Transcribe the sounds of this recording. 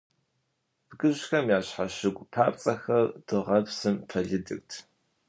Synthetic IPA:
b̥ɡɨʑxɐmjaːɕħaɕɪɡʷʼpʰaːpt͡sʼɐxɐrd̥ɨʁɐpsɨmpʰɐɮɨdɨ̰k̚tʰ

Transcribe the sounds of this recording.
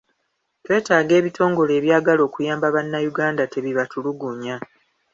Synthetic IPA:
twe̞ːtaːɡe̞ːβitʰo̞ːŋɡo̞le̞ːβjaːɡalo̞ːkujaːmbaβanːajuɡaːndate̞βiβatuluɡuɲa

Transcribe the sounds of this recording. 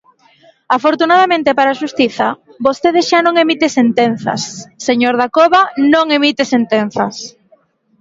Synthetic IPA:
afoɾt̪unaðamẽnt̪epaɾaːʃust̪iθɐ | bost̪eðesʃanõŋemit̪esent̪en̟θɐ̰sːeɲoɾðakoβanõŋemit̪esent̪en̟θɐs

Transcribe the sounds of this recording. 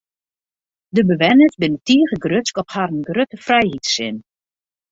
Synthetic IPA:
dəbəʋɛnəzbɪnətiːɣəɡrøskɔphaɾənɡrøtəfrɛjɦitsɪn

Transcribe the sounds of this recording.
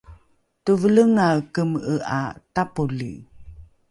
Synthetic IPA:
tuvələŋakəməʔa̰tapulḭ

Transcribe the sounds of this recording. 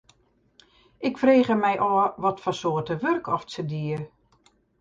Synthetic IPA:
ʔɪkfreːɣəmɛjʔɔːʋɔtfɔsoːtəʋørkɔfsədiər

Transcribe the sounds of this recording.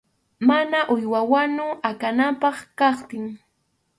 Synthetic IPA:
manaʔʊjwawanʊakanampɑχkɑχt̪ɪŋ

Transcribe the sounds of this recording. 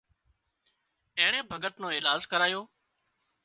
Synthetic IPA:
ẽːɳ̃ẽːbʱəɡət̪nõːɪːlaːzkəɾaːjoː

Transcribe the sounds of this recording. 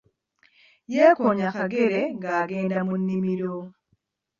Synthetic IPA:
jɛkɔɲakaɡeɾeŋɡaɡendamunːimiɾo

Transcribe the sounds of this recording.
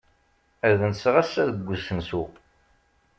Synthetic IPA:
æɾðənsʁæsːæðəɡʷːəzsənsu

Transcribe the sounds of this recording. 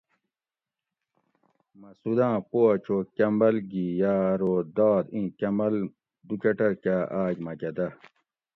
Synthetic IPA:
mɐsud̪ãːpoɐt͡ɕʰoːkɐmbɐlɡijaːɾoːd̪aːd̪ĩːkɐmɐl | d̪ukɐʈɐɾkaːʔaːd͡ʑmɐkɐd̪ɐ

